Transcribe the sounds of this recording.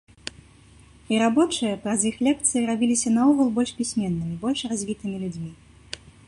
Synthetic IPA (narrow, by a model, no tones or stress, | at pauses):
iɾabɔt͡ʂɨjɐpɾɐzixlʲɛk̚t̪sɨjiɾabʲilʲisʲɐnauɣulˠbɔlʲʂpʲisʲmʲɛnːɨmʲibɔlʲʂrazʲvʲit̪ɨmʲilʲud͡zʲmʲi